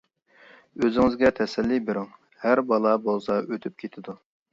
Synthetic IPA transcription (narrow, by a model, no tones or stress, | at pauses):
øzɪŋɪzɡʲɛt̪ʰɛsɛlːibeɾuŋ | hæɾbɑlˠɑbolˠsɑøt̪ʰyp̚kʲʰet̪ʰɪd̪u